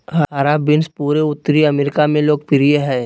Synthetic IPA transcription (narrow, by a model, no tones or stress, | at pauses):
ɦaɦaɾabɪnspuːɾeʊt̪ːɾiɐmeːɾɪkamẽloːɡ̚pɪɾijeɦɛː